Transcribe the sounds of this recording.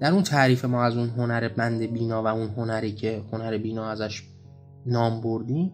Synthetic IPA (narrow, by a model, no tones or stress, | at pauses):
d̪̥æɾunt̪ʰæːɾiːfe̞mɒːæzunɦo̞næɾebænd̪e̞biːnɒːvæunɦonæɾiːcʰe̞honæɾebiːnɒːæzæʃ | nɒːmboɾd̪ĩːm